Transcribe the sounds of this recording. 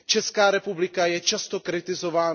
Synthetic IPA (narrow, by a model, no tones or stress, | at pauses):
t͡ʃɛskaːɾɛpublɪkajɛt͡ʃast̪okɾɪt̪ɪzovaː